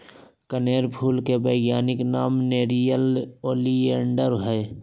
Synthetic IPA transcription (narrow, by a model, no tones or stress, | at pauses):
kəneːɾpʰuːlkebəɪɡjaːnɪknaːmneːɾijəloːlieɳɖəɾɦɛː